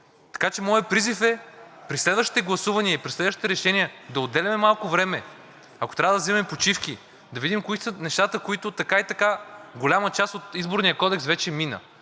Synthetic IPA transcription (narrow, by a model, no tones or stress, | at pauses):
t̪ɐ̥kat͡ʃɛmɔjəpɾizifɛpɾislɛd̪vəʃt̪i̥t̪ɛɡlˠɐsuvɐniəipɾislɛd̪vəʃt̪it̪ɛɾɛʃɛniəd̪ɐod̪ɛlʲɐmɛmalˠkʊvɾɛmɛ | ɐko̥t̪ɾʲavəd̪ɐzɛvmɛpot͡ʃifkʲi | d̪ɐvid̪imkoisənɛʃt̪at̪əkoit̪ʊt̪ɐkait̪ɐkaɡolʲamət͡ʃast̪ot̪izboɾnijəkɔd̪ɛksvɛt͡ʃɛminə̰